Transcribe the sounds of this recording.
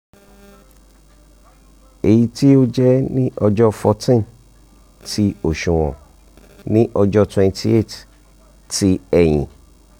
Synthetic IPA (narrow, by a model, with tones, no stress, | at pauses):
e˨ji˧ti˦o˦d͡ʒɛ˦nĩ˦ʔɔ˧d͡ʒɔ˦fɔ˧tĩ˦˨ | tʰi˧˦o˦˨ʃũ˨w̃ɔ̰̃˨ | nĩ˦ʔɔ˧d͡ʒɔ˦twɛ̃˧n˧tʰi˧e˦˨t | ti˦ɛ˨j̃ĩ˨